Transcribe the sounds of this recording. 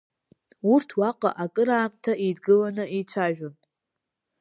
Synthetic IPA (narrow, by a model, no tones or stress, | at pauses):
urtʰwaqʼa̰ʔakʼɨɾaːmtʰaʔidɡɨlanɨʔit͡ɕʷʰaʒᶣon